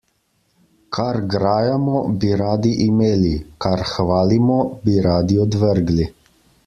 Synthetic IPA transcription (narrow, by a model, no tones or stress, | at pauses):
kʰaɾɡɾaːjamɔbiɾaːd̪iʔimeːlikaɾxʋaːlimɔbiɾaːd̪iɔd̪ʋəɾɡli